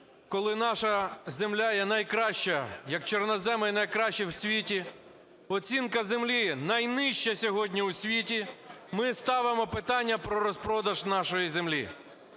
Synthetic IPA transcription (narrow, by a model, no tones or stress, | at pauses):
kɔlˠɪnɑʃɐzemlʲajɛnɐjkɾɑʃt͡ʃɐjɐkt͡ʃɔrnɔzɛmɪnɐjkɾɑʃt͡ʃiwsʲʋʲitʲi | ɔt͡sʲinkɐzemlʲinɐjnɪʃt͡ʃɐsʲɔɦɔdʲnʲiusʲʋʲitʲimɪst̪ɑʋɪmɔpɪt̪ɑnʲːɐpɾɔɾɔspɾɔd̪ɐʒnɑʃɔjizemlʲḭ